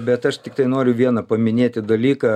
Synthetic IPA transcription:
bʲɛt̪ɐʃt̪ʲɪk̚t̪ɐɪnoːɾʲʊʋʲiɛnɐpɐmʲɪnʲeːt̪ʲɪd̪ɐlʲiːkɐ

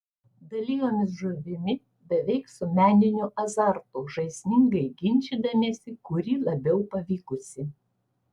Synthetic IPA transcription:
d̪ɐlʲiːjoːmʲɪs̬ʒʊʋʲɪmʲɪ | bʲɛʋʲɛɪksʊmʲæːnʲɪnʲuːʔɐzɑɾt̪uːʒɐɪsʲnʲɪŋɡɐɪɡʲɪnʲt͡ʃʲiːd̪ɐmʲeːsʲɪkʊɾʲiːlˠɐbʲɛʊpɐʋʲiːkʊsʲɪ

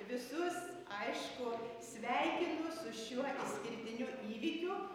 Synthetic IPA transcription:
ʋʲɪsʊs | ɐɪʃkʊsʲʋʲɛɪkʲɪnʊsʊʃʲuɔʔɪsʲkʲɪɾʲt̪ʲɪnʲuːʔiːʋʲiːkʲu

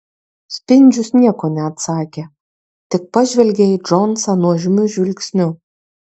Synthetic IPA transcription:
sʲpʲɪnʲd͡ʒʲʊsnʲiɛkoːnʲɛɐt̪sɑːkʲe | t̪ʲɪk̚pɐʒʲʋʲɛlʲɡʲeɪd͡ʒɔnsɐnuɔʒʲɪmʲʊʒʲʋʲɪlʲkʲsʲnʲʊ

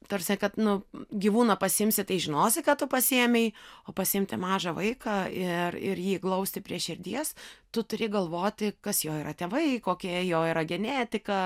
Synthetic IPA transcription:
t̪oːrʲsʲɛkɐt̪nʊɡʲiʋuːnɐpɐsʲɪɪmʲsʲɪt̪ɐɪʒʲɪnoːsʲɪkɐt̚t̪ʊpɐsʲɪɛmʲɛɪoːpɐsʲɪɪmʲt̪ʲɪmɑːʒɐʋɐɪkɑɪrɪ̰rjiːklˠɐʊsʲt̪ʲɪpʲɾʲiɛʃʲɪrʲd̪ʲiɛst̪ʊt̪ʊɾʲɪɡɐlˠʋoːt̪ʲɪkɐsjoːiːɾɐt̪ʲɛːʋɐɪkoːkʲiɛjoːiːɾɐɡʲɛnʲæːt̪ʲɪkɐ

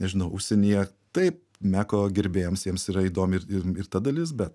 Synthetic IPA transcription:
nʲɛʒʲɪnɐʊʔʊʃʲsʲɛnʲijɛ | t̪ɐɪp̚ | mʲæːkoːɡʲɪɾʲbʲeːjoːmsjiɛmsiɾɐiːd̪oːmʲɪɾɪɪɾt̪ɐd̪ɐlʲɪs̬bʲɛt̪

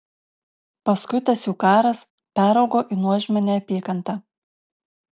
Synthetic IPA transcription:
pɐskʊɪt̪ɐsjuːkɑːɾɐs | pʲæːɾɒʊɡoːʔinuɔʒʲmʲɛnʲɛɐpʲiːkɐnt̪ɑː

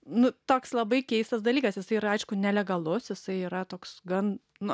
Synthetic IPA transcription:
nʊt̪oːkslˠɐbɐɪkʲɛɪst̪ɐs̬d̪ɐlʲiːkɐsjɪsɐɪiːɾɐɐɪʃkʊnʲɛlʲɛɡɐlˠʊsjɪsɐɪiːɾɐt̪oːksɡɐn | nʊ

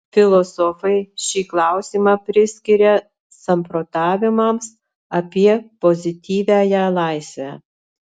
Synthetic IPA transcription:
fʲɪlˠɔsɔfɐɪʃʲiːklˠɑˑʊsʲiːmɑːpʲɾʲɪsʲkʲɪɾʲɛ | sɐmpɾot̪ɑːʋʲɪmɐms | ɐpʲiɛpɔzʲɪt̪ʲiːʋʲæːjælˠɑɪsʲʋʲæː

